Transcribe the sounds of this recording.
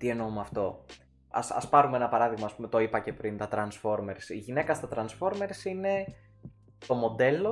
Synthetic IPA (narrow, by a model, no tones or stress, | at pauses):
t̪ie̞no̞umɐft̪o̞ | ɐ̰sɐ̰spɐɾume̞nɐpɐɾɐðiɣmɐːspume̞t̪o̞ipɐce̞pɾint̪ɐt̪ɾɐnsfo̞ɾme̞ɾsiʝine̞kɐst̪ɐt̪ɾɐnsfo̞ɾme̞ɾsine̞ | t̪o̞mo̞d̪e̞lo̞